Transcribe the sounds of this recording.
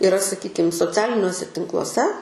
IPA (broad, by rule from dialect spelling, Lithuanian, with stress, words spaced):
ɪˈrɐ sɐˈkʲiːkʲɪm soːˈt͡sʲæːlʲɪnʲuɔsʲɛ tʲɪŋklˠuɔˈsʲɛ